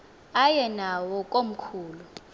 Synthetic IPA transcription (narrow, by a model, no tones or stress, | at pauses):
ajɛnawɔkʼom̩kʰuːlu